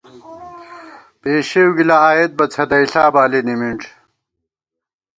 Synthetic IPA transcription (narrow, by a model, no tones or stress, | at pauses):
peːɕewɡilaaːjet̪̚bɐt͡sʰɐd̪ɐjɬaːbaːlinimiɳʈ͡ʂʰ